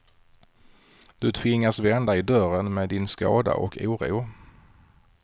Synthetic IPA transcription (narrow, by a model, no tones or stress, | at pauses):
d̪̥ɵt̪ʰvɪŋːasvɛnd̪aɪd̪œɾənmeːd̪ɪnskɑ̰ːd̪a̰ʔɔkʰuːɾṵː